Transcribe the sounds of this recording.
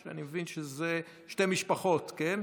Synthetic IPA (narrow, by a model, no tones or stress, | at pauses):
ʃea̰nimevinʃeze | ʃtemiʃpaχo̞tken